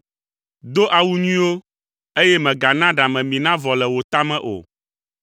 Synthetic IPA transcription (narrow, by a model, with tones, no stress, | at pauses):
d̪o˦ʔa˨wu˦ɲĩ˦wo˦ | e˦jɛ˦mɛ̃˨ɡa˨nã˦ɖa˨mɛ̃˨mĩ˨nã˦vɔ˨lɛ˨wo˨t̪a˦mɛ̃˦˨ʔo̰˨